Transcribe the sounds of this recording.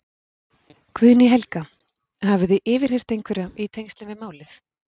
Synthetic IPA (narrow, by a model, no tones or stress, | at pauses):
kʰvʏðniɦɛlka | havʏðɪʔɪːvɪɾ̥hej̥t̪ejŋkʰvɪɾait̪ʰejŋst̪lɪnvɪðmaːwlɪθ